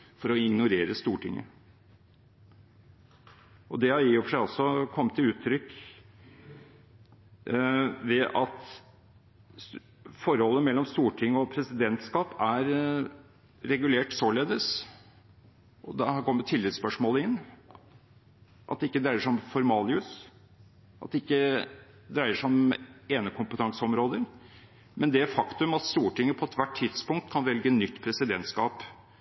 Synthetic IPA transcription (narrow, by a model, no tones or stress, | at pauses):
fɔɾɔɪɡnʊɾeːɾəst̪uːʈʰɪŋːə̰ | ʔɔd̪ɛhɑjiːʊfʂæɪɔsɔkʰɔmːət̪ʰːɪʉːt̪ʰːɾʏkː | ʋɛʔɑt̪ | fɔɾhɔlːəmɛlːɔmst̪uːʈʰɪŋːɔpʰɾɛsɪd̪ɛnt̪skɑːpæɾ | ɾɛɡʉleːʈsoːɭeːd̪əs | ʔɔd̪ɑhkʰɔmːət̪ʰɪlɪt̪spœʂmoːləɪnː | ʔɑt̪d̪ɛɪkːəd̪ɾæɪəʂɔmfɔɾmɑːlɪʉs | ʔɑ̰t̪̚d̪ɛɪkːə | d̪ɾæɪəʂɔmeːnəkʰʊmpət̪ʰɑŋsəɔmɾoːd̪əɾ | mɛnd̪ɛæfɑkt̪ʉmɑt̪st̪uːʈɪŋːəpʰɔɛt̪ʋæʈʰːɪd̪spʊŋk̚t̪̚kʰɑnʋɛlɡənːʏt̪ːpʰɾɛsɪd̪ɛnt̪skɑːp